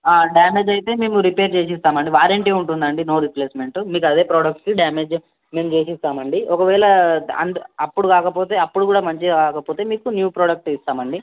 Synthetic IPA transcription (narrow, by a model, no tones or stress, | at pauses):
aːɖjaːme̞ːd͡ʒɐjit̪e̞ːme̞ːmuɾipe̞ːɾt͡ʃeːs̬ist̪aːmɐɳɖiʋaːɾeːɳʈeːuɳʈund̪ɐɳɖino̞ːɾiple̞ːsme̞ɳʈumiːkɐd̪e̞ːpɾoːɽɐk̚ʈkiɖaːmeːd͡ʒ | me̞ːmt͡ʃe̞ːsist̪aːmɐɳɖiɔkɐʋɛːɭɐɐ̰nɐpːuɽukaːkɐpo̞ːt̪e̞ːɐpːuɽukuːɽaːmɐɲt͡ʃikaːkɐpo̞ːt̪e̞ːmiːkunjuːpɾoːɽɐk̚ʈist̪aːmɐɳɖi